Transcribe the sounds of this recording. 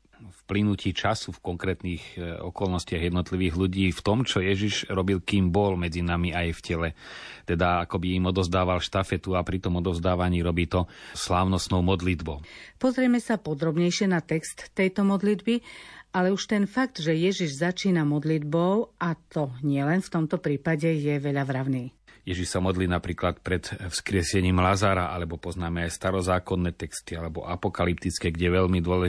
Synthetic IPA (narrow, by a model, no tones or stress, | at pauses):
fplinuciːt͡ʃasufkɔŋkɾɛːt̪niːxɔ̰kɔlnɔscɪaɣjɛd̪nɔt̪liʋiːɣluɟiːft̪ɔmt͡ʃɔjɛʒiʒɾɔbilkiːmbɔlmɛd͡zinamiajfcɛlɛt̪ɛd̪aakɔbiimɔd̪ɔzd̪aːʋalʃt̪afɛt̪uapɾit̪ɔmɔd̪ɔzd̪aːʋaɲiːɾɔbiːt̪ɔslaːʊnɔst̪nɔʊmɔd̪lid̪bɔʊpɔzɾɪɛmɛsapɔd̪ɾɔbɲɛjʃɪɛnat̪ɛkst̪ːɛjt̪ɔmɔd̪lid̪bialɛuʃt̪ɛnfak̚t̪ʒɛjɛʒiʒzat͡ʃiːnamɔd̪lid̪bɔʊʔat̪ɔɲɪɛlɛnft̪ɔmt̪ɔpɾiːpaɟɛjɛʋɛʎazɾaʊniːjɛʒiʃsamɔd̪liːnapɾiːklat̪pɾɛt̪fskɾɪɛsɛɲiːmlazaɾaʔa̰lɛbɔpɔznaːmɛajst̪aɾɔzaːkɔnːɛːt̪ɛkst̪ialɛbɔ̰ʔapɔkalip̚t̪it͡skɛɡɟɛʋɛʎmid̪ʊɔlɛ